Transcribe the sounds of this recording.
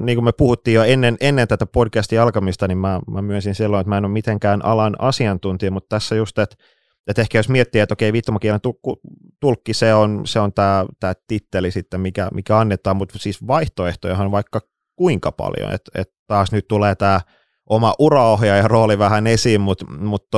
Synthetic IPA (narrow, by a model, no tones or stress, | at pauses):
niːŋkumepuhut̪ːiːjoenːenʔenːent̪æt̪æpodkæst̪ijɑlkɑmist̪ɑnimmæmæmyænsinsilːõnet̪mæˑenommit̪eŋkæːnʔɑ̰lɑnɑ̰siɑnt̪unt̪iɑmut̪t̪æsːæjust̪et̪ | et̪ehkæjosmiɛt̪ːiet̪okeiʋit̪ːomɑkielent̪uku | t̪ulkːiseonseont̪æːt̪æːt̪it̪ːelisit̪ːemikæ̰mʔḭkæɑnːet̪ɑːmmut̪siːsʋɑiht̪oeht̪ojɑhɑnʋɑikːɑ | kuiŋkɑpɑ̰ljo̰nḛt̪ḛt̪t̪ɑːsnyt̪t̪uleːt̪æː | ʔomɑʔurɑohjɑjɑroːliʋæhænesiːmmut̪mut̪ː